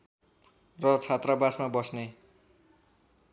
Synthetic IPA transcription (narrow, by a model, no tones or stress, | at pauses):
rʌt͡sʰat̪rabasmabʌsne